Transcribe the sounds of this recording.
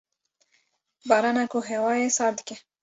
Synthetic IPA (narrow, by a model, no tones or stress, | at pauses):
baɾanakoɦewɑjesɑd̪ke